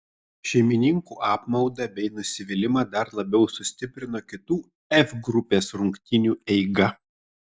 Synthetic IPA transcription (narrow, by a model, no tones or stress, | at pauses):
ʃʲɛɪmʲɪnʲɪŋkuːʔɑːpmɒʊd̪ɐbʲɛɪnʊsʲɪʋʲɪlʲɪmɐd̪ɐɾlˠɐbʲɛʊsʊsʲt̪ʲɪpʲɾʲɪnoːkʲɪt̪uː | ɛfɡɾʊpʲeːsɾʊŋʲkʲt̪ʲɪnʲuːɛɪɡɐ